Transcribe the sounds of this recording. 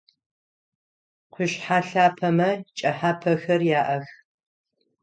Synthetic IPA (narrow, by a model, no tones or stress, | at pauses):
qʷʰʊɕħaːɬaːpʰɐmɐt͡ʃʼɐħaːpʰɐxɐrjaːʔɐx